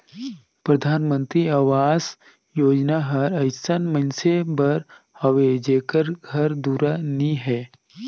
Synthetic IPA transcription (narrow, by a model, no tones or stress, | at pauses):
pɾɐd̪ʱaːnmə̃nt̪ɾiaːʋaːz | joːd͡ʒnaɦɐɾɐɪsənmənsebɐɾ | hɐʋed͡ʒeːkəɾɡʱɐɾd̪uːɾaniɦɛː